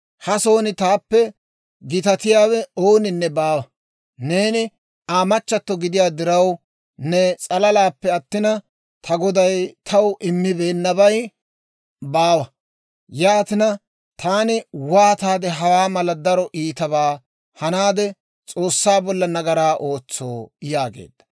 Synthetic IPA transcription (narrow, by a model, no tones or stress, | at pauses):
hɐso̞ːnɪt̪aːpːɛ | ɡɪt̪ɐt̪ɪjaːwɛoːnɪnːɛbaːwɐ | ne̞ːnɪ | aːmɐt͡ʃːɐt̪ːɔɡɪd̪ɪjaːd̪ɪɾɐw | nɛt͡sʼɐlɐlaːpːɛɐt̪ːɪnɐ | t̪ʰɐɡɔd̪ɐjt̪ʰɐwʔɪmːɪbe̞ːnːɐbɐj | baːwɐ | jaːt̪ɪnɐ | t̪ʰaːnɪwaːt̪aːd̪ɛɦɐwaːmɐlɐd̪ɐɾɔʔiːt̪ɐβaː | hɐnaːd̪ɛ | t͡sʼo̞ːsːaːbɔlːɐnɐɡɐɾaːʔo̞ːt͡sːoːjaːɡḛːd̪̥ːɐ̥